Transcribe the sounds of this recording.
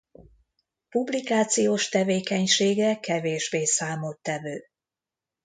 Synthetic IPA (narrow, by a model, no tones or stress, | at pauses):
publikaːt̪sijoːʃt̪ɛveːkɛɲʃeːɡɛkɛveːʒbeːsaːmot̪ːɛvøː